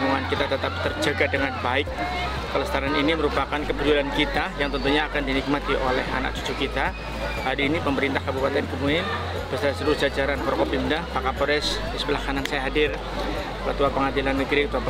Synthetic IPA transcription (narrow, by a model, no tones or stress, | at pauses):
muŋankit̪at̪ət̪ap̚t̪ərd͡ʒəɡadəŋanbaɪk̚ | pələst̪aɾaniniməɾupakankəpəd͡ʒulankit̪ajaŋt̪ənt̪uɲaːkandinik̚mat̪iʔolɛɦa̰na̰k̚t͡ʃu̥t͡ʃukit̪a | hadiːnipəməɾint̪ahkabupat̪ɛnkəmuɪn | bəst̪asəɾud͡ʒad͡ʒaɾanpɔɾkɔp̚dimudapakapoɾɛs | isbəlakanansajaɦadɪr | əlat̪uapəŋadilanːəɡɾit̪uap